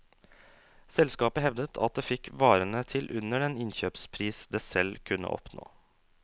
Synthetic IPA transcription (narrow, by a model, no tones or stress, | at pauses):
sɛlskɑːpəhɛʋd̪ət̪ʰɑ̰t̪̚d̪eːfɪkʋɑːɾənət̪ʰɪlʔʉnəɾɛːnɪnçøːpspʰɾiːsd̪eːsɛlkʰʉnə̰ʔɔ̰pno̰ː